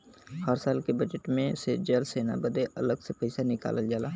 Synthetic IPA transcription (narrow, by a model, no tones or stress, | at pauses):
həɾsaːlkebəd͡ʒəʈmẽsed͡ʒəlseːna̰bəd̪eʔɐləɡsepɐɪsanɪka̰ːləld͡ʒaːlaː